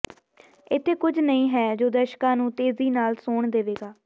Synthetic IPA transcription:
ɪt̪ʰːeːkʊd͡ʒʱnəĩːɦɛːd͡ʒoːd̪əʃkãːnũːt̪eːziːnaːlsoːɳd̪eːʋeːɡaː

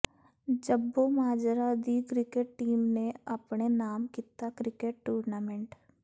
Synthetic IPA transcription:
d͡ʒəbomaːd͡ʒɾad̪ikɾɪkeʈ̚ʈiːmneɐpɳenaːmkit̪akɾɪkeʈ̚ʈuːɾnaːmɛ̃ɳʈ

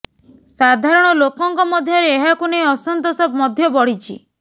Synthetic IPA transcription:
sad̪ʱaɾɔɽ̃ɔlokɔŋkɔmɔd̪ʱjɔɾeːɦakunejɔsɔnt̪ɔsɔbmɔd̪ʱjɔbɔɽ̤it͡ʃʰḭ

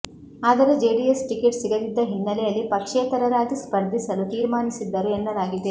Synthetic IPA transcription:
aːd̪ɐɾed͡ʒeːɖiesʈikeʈsiɡɐd̪id̪ːɐɦinːɐlɛjɐlːipɐkʂeːt̪ɐɾɐɾaːɡ̪ispɐɾd̪ʱisɐlut̪iːɾmaːnisid̪ːɐɾuɛnːɐlaːɡid̪e̞

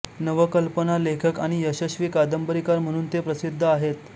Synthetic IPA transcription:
nəʋəkəlpənalekʰəkaɽ̃ijəɕəɕʋiːkad̪əmbəɾikaɾm̤əɽ̃uːnt̪epɾəsid̪ʱːəaɦet̪

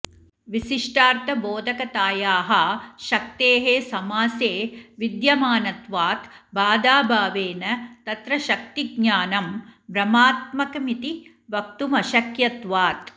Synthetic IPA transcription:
ʋiʃiʂʈaːɾt̪ʰɐboːd̪ʱɐkɐt̪aːjaːɦɐʃɐk̚t̪eːɦeːsɐmaːseːʋid̪jɐmaːnɐt̪ʋaːt̪baːd̪aːbʱaːʋeːnɐt̪ɐt̪ɾɐʃɐk̚t̪iɡ̚ɲaːnɐmbɾɐmaːt̪̚mɐkɐmit̪i | ʋɐk̚t̪umɐʃɐkjɐt̪ʋaːt̪

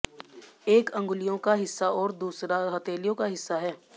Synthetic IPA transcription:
eːkɐ̃ŋɡʊlɪjõkaɦɪsːaɔːɾd̪uːsɾaɦɐt̪eːlijõkaɦɪsːaɦɛː

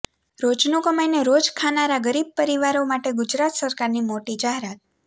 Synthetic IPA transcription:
ɾod͡ʒnokəmajneɾod͡ʒkʰanaɾaɡəɾib̚pəɾiʋaɾomaʈeɡʊd͡ʒɾat̪səɾkaɾnimoʈid͡ʒaɦeɾat̪̚

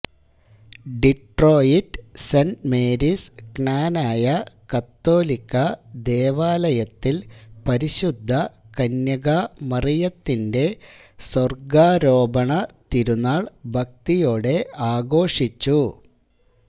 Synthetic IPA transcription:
ɖiʈro̞ːjiʈsɐnmeːɾisknaːnaːjɐkɐt̪ːo̞ːlikːɐd̪e̞ːʋaːlɐjɐt̪ːilpɐɾiɕud̪ʱːɐkɐnjɐɣɐmɐrijɐt̪ːinde̞sɐrɡaːɾo̞ːbɐɳɐt̪iɾunːaːɭbʱɐk̚t̪ijo̞ːɽe̞aːɡo̞ːʂit͡ɕːu

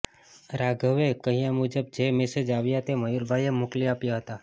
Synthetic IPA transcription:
ɾaɡʱəʋekəɦĩjãmud͡ʒəb̚d͡ʒemesed͡ʒaʋjat̪eməjuɾbʱajemokliapjaɦət̪a

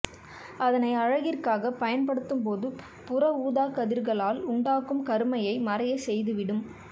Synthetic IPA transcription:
ɐðɐnɐɪɐɻɐɣɪrkaːɣɐpɐjɐnpɐɽɯt̪ːɯmpoːðɯ | pʊrɐuːðaːkɐðɪɾɣɐɭaːlʊɳɖaːkɯmkɐɾɯmɐjɐɪmɐrɐjɐsɛjðɯʋɪɽɯm

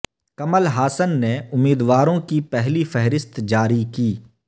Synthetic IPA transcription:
kɐməlɦaːsənːeʊmːiːd̪waːɾõkipɛɦlifɛɦɾɪst̪d͡ʒaːɾikiː

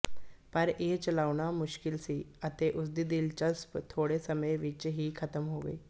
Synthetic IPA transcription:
pəɾet͡ɕəlaʋɳ̃amʊɕkilsiːət̪eʔusd̪id̪ilt͡ɕəspt̪ʰoɽesəməjʋit͡ɕɦiːkʰət̪əmɦoɡə̰i

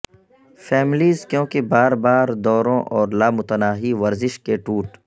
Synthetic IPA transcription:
fɛːmɪliːzkjõːkebaːɾbaːɾd̪ɔːɾõːʔɔːɾlaːmʊt̪ənaːɦiʋɐɾzɪʃkeʈuːʈ

